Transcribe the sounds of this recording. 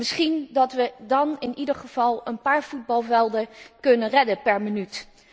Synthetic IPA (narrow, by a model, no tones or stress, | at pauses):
mɪsχindɑtʋədɑnɪnidəɹχəv̥ɑlˠənpaːɹv̥ud̚bɑlˠvɛlˠdəkɵnənrɛdəpɛɹmənyt